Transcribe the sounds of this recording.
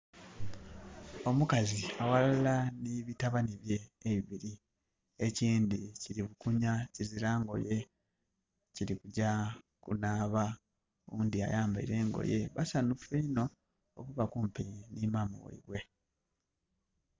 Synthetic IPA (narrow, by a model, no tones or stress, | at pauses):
o̞mukaziawalalaniβitaβaniβje̞ːβiβiɾi | eciːndiciɾiβukuɲaciziɾaːŋɡo̞̰je̞ | ciɾikuɟa | kunaːβa | uːndia̰jaːmbaḭɾe̞ːŋɡo̰je̞βasanufeino̞ | okuβakuːmpinimamṵwḛiβwe̞